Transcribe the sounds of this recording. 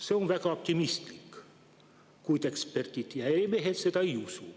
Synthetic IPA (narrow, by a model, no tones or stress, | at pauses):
seõʋʋækæop̚t̪imist̪ik | kuit̪ekspert̪it̪jɑeimehet̪set̪æiusuː